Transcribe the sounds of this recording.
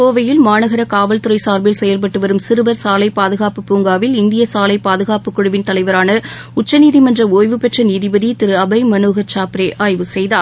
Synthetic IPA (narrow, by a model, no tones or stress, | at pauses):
koːʋɐjɪlmaːɳɐɣɐɾɐkaːʋɐlt̪ɯɾɐɪsaːɾbɪlsɛjɐlpɐʈːɯʋɐɾɯmsɪɾɯʋɐɾsaːlɐɪpːaːðɯɣaːpɯpːuːŋɡaːʋɪlɪnd̪ɪjɐsaːlɐɪpːaːðɯɣaːpɯkːʊɽɯʋɪnt̪ɐlɐɪʋɐɾaːnɐ | ʊt͡ʃːɐniːðimɐndrɐoːjʋɯpɛʈrɐniːðibɐðit̪ɪɾɯɐbɐɪmɐnuːɣɐt͡ʃaːpɾeːʔʔaːjʋɯsɛjðaːɾ